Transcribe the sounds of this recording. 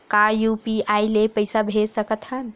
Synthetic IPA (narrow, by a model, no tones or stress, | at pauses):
kajupiajlepəjsabʱesəkət̪hən